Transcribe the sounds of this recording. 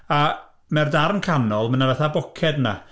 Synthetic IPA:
a | mɛrdarnkʰanɔlˠmənavaθabɔkʰɛdna̰

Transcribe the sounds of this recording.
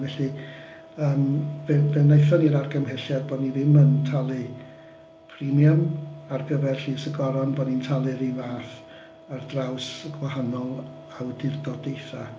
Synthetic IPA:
vɛɬi | əːmvɛvɛnejθɔniɾarɡəmhɛɬjarbɔːdnivɪməntʰalˠɨ | pʰrimjamarɡəvɛrɬiːsəɡɔɾɔnbɔdnintʰalˠɨɾivaːθ | ardrawsəɡwaɦanɔlˠ | awdɪrdɔdejθa

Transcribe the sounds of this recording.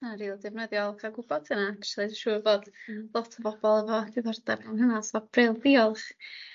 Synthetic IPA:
aɾiːlˠdɪvnəðjɔlˠkʰaɡʊbɔdənakə̥ʃlˠidʃuːəboːdlˠɔtʰəbɔbɔlˠəvɔdiðɔrdabanhənasvɔb̥relˠbiːɔlˠχ

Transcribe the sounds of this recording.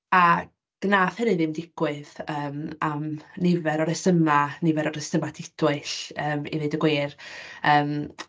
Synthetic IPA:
a | ɡ̥naːθhɛɾɨðɪmdɪɡ̥wɨðəːmamnɪvɛɾɔɾɛsəmanɪvɛɾɔɾɛsəmatʰɪdʰwɪɬəːmḭvɨːdəɡweːrəːm

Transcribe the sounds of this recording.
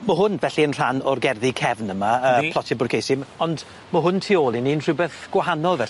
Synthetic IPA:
məɦʊnvɛɬiənr̥anɔrɡɛrðikʰɛvnəmaəːpʰlˠɔtʰɪbʊrkʰejsɪmɔnd | məɦʊntʰiːoːlˠininr̥ɪbɛθɡ̥wahanɔlˠvɛ

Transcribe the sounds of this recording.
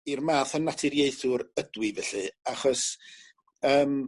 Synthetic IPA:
irmaːθənːatʰɪɾjeɨθʊɾədwɪvɛɬɨaχɔs | əːm

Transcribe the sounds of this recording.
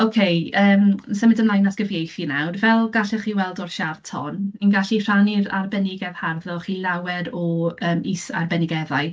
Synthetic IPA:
okʰejəːmsəmɪdəmlˠajnasɡ̥əvjejθinawrvɛlˠɡaɬɛχiːwɛlˠdɔrʃartʰɔ̰ninɡaɬir̥aniɾa̰rbɛnɪɡɛð̥harðɔχiːlˠawɛdɔəːmisa̰rbɛnɪɡɛðaj

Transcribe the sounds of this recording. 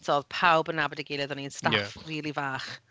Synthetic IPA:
tʰɔðpʰawbənːabɔdiɡejlˠɛðɔniənstajfriːlˠivaːχ

